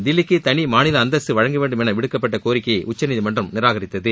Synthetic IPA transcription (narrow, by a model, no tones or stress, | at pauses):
d̪ɪlɪkːɯt̪ɐnimaːnɪlɐːnd̪ɐsɯʋɐɻɐŋɡɐʋeːɳɖɯmɛnɐʋɪɽɯkːɐpːɐʈːɐkoːɾɪkːɐjɐʔʊt͡ʃːɐnɪðimɐndrɐmnɪɾaːɣɐɾɪt̪ːɐðɯ